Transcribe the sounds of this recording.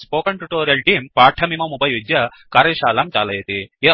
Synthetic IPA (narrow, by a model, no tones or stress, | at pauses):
spoːkɐɳʈuʈoːɾijɐlʈiːmpaːʈʰɐmimɐmubɐjud͡ʒjɐ | kaːɾɐʃaːlamt͡ʃa̰ːlɐjet̪ie